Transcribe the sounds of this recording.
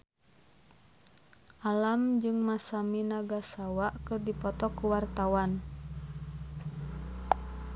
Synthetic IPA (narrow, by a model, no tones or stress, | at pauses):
ʔalamd͡ʒɨŋmasaminaɡasawaʔkɨrdipɔt̪ɔkuwart̪awan